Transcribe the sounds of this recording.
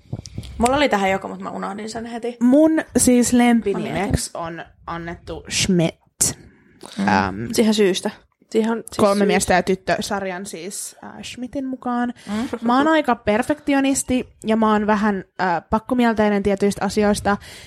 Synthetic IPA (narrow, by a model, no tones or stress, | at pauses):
mulːolit̪æhæjokomut̪mæ̰unɑhdinsenhet̪imunsiːslempinimekson | ʔɑnːet̪ːuʃmit̪ | ə̰msiːhesyːst̪æ | siːhonkolmemiɛst̪æjɑt̪yt̪ːøsɑrjɑnsiːsːʃmit̪inmukɑːnmɑonɑikɑperfekt̪ionist̪ijɑmæonʋæɦænəːpɑkːomiɛlt̪einent̪iɛt̪yjst̪ɑsio̞ist̪ɑ